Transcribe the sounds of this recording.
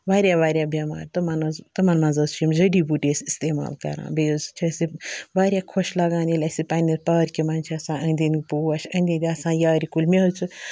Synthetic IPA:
ʋaːɾʲjaʋaːɾʲjaːbjɐma̰ːɾt̪ɐmɐnɐzt̪ɐmɐnmɐnzɐst͡ʃʰimzɐɖibuʈeːsist̪eːma̰ːlkɐ̰ɾã̰ːbejzt͡ʃʰɐsiʋaːɾʲjaːkʰoʃlɐɡãːnilʲɐsipɐnipɐːɾkʲimɐnt͡ʃʰiɐsãːɐnd̪ʲinpuɐʃɐnd̪ʲind̪iɐsãːjaːɾikulmeɦt͡ʃʰɨ

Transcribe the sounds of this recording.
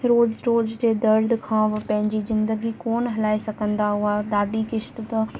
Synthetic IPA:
ɾoːd͡ʒɾoːd͡ʒd͡ʑeːd̪ɐɾd̪kʰãbɪpɐ̃ɦɪ̃ɲd͡ʑizɪ̃nd̪əɡikoːnɦɐlaːisɐkə̃nd̪aɦuad̪aːɖikɪʃt̪t̪ɐ

